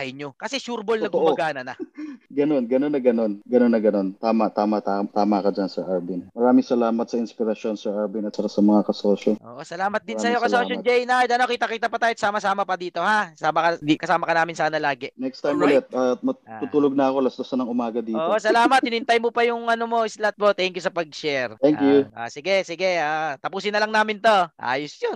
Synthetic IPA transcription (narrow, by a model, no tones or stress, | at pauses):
ɐjɲokɐsɛʃuːɾbolnɐɡ̪ʊmɐɡaːnɐnɐɡɐno̞nɡɐnonːɐɡɐno̞nɡɐnonːɐɡɐno̞nt̪aːmɐt̪aːmɐt̪at̪aːmɐkod͡ʒɐnsɛʔaɹbinmɐɾaːmɪŋsɐlaːmɐt̪̚sɐɪnspɪɾɐʃo̞nsɛɹʔaɹbinɐt̪̚t͡ʃakasɐmɐŋakɐsoːʃoʔo̰ːʔosɐlaːmɐt̪̚d̪ɪsɐjo̞kɐsoʃod͡ʒɛjnajd̪ʔɐno̞kiːt̪ɐkiːt̪ɐpɐt̪aːjɪt̪saːmɐsaːmɐpɐd̪iːt̪o̞hasaːmɐkɐd̪ikɐsaːmɐkɐnaːmɪnsaːnɐlaːɡɛnɛkst̪ajmlɛt̪̚ɐmɐt̪uːt̪uːloɡ̚nɐɐko̞lɐst̪osɐnɐŋʊmaːɡɐd̪iːoːʔosɐlaːmɐt̪ʔɪnɪhɪnt̪ajmopɐjʊŋʔɐnomo̞ɪslat̪̚mo̞t̪ɛŋkjusɐpɐɡ̚ʃɛɾt̪ɛŋkjua̰sɪɡɛsɪɡɛat̪ɐpuːsɪnːɐlɐŋnaːmɪnt̪o̞ʔa̰ːjʊsjon